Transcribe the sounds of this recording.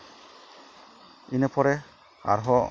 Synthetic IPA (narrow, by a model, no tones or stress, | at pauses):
inɛpʰɔɾɛ | a̰ɾɦɔ